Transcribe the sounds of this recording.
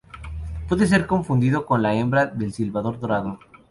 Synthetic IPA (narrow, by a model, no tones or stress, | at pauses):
pweðe̞s̬e̞ɾko̞ɱfund̪iðo̞ko̞nlae̞mbɾaðe̞lsilβaðo̞ɾðo̞ɾaðo